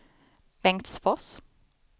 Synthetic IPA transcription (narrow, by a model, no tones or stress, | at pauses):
b̥ɛŋt̪sfɔs